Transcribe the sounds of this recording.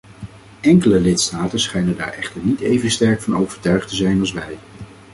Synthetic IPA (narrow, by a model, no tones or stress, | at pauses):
ʔɛŋkələlɪtstaːtənsχɛjnənda̰ːɹɛχtəɹnitejvənstɛɹkfɑnowvəɹtœɥχtəzɛjnɑlˠsʋɛj